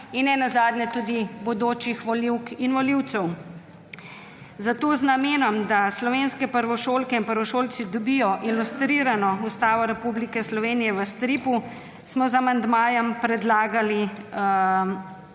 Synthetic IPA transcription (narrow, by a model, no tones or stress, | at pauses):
inːɛnazaːd̪ɲɛt̪uːd̪ibɔd̪oːt͡ʃixʋɔliwkinʋɔliwt̪sɛw | zat̪oːznameːnɔmd̪aslɔʋeːnskɛpəɾʋɔʃoːlkɛinpəɾʋɔʃoːlt̪sid̪ɔbijɔʔilust̪ɾiːɾanɔust̪aːʋɔɾɛpublikɛslɔʋeːnijɛʋəst̪ɾipu | smɔzamand̪maːjɛmpɾɛd̪laːɡali